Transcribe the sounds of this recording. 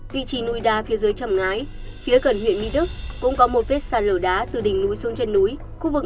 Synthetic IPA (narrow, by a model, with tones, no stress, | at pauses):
vḭ˧˨t͡ɕi˨˦nu˧jɗaː˧fi˨˦əzəː˨˦jt͡ɕə˨˩ŋ͡mŋaː˨˦j | fi˨˦əkə˧˩nɦwḭ˧˨ənmḭ˧˥ɗɨ˦˥k̚kʊ̰˧˥ŋ͡mkɔ˨˦mo˨˩t̚ve˦˥t̚saː˧˩n̚ləː˧˩ɗaː˨˦t̪ɨ˨˩ɗï˨˩ŋ̟nu˨˦jsu˨˧˦nt͡ɕe˧nːu˨˦j | xu˧˥vɨ˨˩k̚